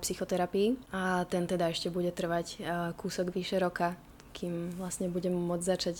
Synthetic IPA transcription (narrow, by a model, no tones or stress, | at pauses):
psixɔt̪ɛɾapiːat̪ɛnt̪ɛd̪aɛʃcɛbuɟɛt̪r̩ʋackuːsɔɡʋiʃɛɾɔka | kʰiːmʋlastɲɛbuɟɛmmːʊɔd͡zzat͡ʃac